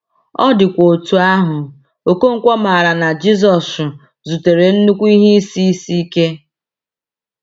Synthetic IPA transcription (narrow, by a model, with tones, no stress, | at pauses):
ɔ˦dɪ˨kʷo˨tu˨a˦ɦʊ˨ | o˨ko˦ŋ̩˦kʷɔ˦ma˨ɾa˨na˨d͡ʒi˦zɔ˨sʊ˨ | zu˨te˨ɾe˨n̩˦nu˦kʷu˦i˦ɦi˦i˦si˦i˦si˦i˦ke˦